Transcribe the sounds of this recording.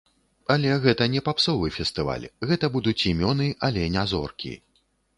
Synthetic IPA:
ɐlʲɛɣɛt̪ɐnʲɛpapsɔvɨfʲɛst̪ɨva̰lʲɣɛt̪ɐbud̪ut͡sʲimʲɔnɨʔɐlʲɛnʲazɔ̰rkʲḭ

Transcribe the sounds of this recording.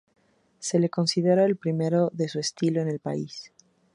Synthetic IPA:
se̞le̞ko̞nsiðeɾoelpɾime̞ɾo̞ðe̞sue̞st̪ilo̞ene̞lpais

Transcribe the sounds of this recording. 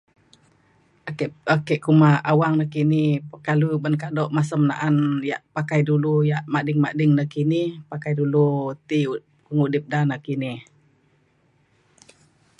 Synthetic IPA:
aakɛʔkumaawaŋnakinipəkalubənkadɔʔmasəmna̰ʔanjaʔpakajdulujaʔmadɪŋmaʔdɪŋnakinihpakajdulut̪i | kəŋudɪp̚danakinih

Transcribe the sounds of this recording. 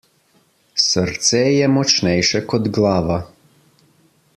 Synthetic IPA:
səɾt̪sɛːjɛmɔt͡ʃnɛjʃɛkɔd̪ɡlaːʋa

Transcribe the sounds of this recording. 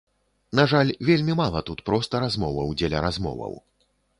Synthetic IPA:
naʐalʲvʲelʲmʲimalˠɐt̪ut̪pɾɔst̪ɐɾazmɔvɐwd͡zʲɛlʲɐ̰ɾazmɔ̰vɐ̰w

